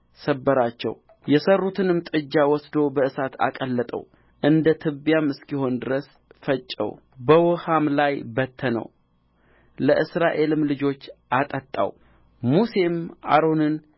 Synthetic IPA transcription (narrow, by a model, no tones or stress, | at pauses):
səbːəɾat͡ʃːɛ̰w | jɛsərːut̪ʰɨnɨmt̪ʼɨd͡ʒːawɔsd̪o̞bəɨsat̪ʰa̰kʼəlːət̪ʼə̰w | ʔɨnd̪ət̪ʰɨbjamɨskiho̞nd̪ɨɾəs | fət͡ʃʼːə̰w | bəwɔhamlajbət̪ʰːənə̰w | ləʔɨsɾaʔe̞lɨmlɨd͡ʒo̞t͡ʃːʔat̪ʼət̪ʼːa̰w | muse̞mʔa̰ɾo̞nɨn